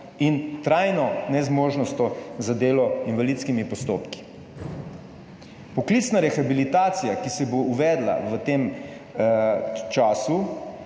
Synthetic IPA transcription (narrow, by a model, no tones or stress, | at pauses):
int̪ɾaːjnɔnɛzmoːʒnɔst̪ɔzad̪eːlɔinʋalit̪skimipɔst̪oːpki̥ | pɔklit̪snaɾɛxabilit̪aːt̪sijakisɛbouʋɛːd̪la̰ʋət̪eːm | t͡ʃaːsu